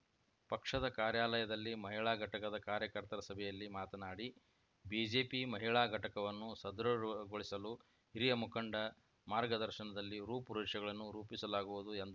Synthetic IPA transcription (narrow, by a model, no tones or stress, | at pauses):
pɐkʂɐd̪ɐkaːɾjaːlɐjɐd̪ɐlːimɐɦiɭaːɡʱɐʈɐkɐd̪ɐkaːɾjɐkɐɾt̪ɐɾɐsɐbʱɛjɐlːimaːt̪ɐnaːɽi | biːd͡ʒe̞ːpimɐɦiɭaːɡʱɐʈɐkɐʋɐnːusɐd̪ɾɐɡoɭisɐlu | hiɾijɐmukɐɳɖɐ | maːɾɡɐd̪ɐɾʃɐnɐd̪ɐlːiɾuːpuɾuːʂɐɡɐɭɐnːuɾuːpisɐlaːɡuʋud̪uend̪ɐ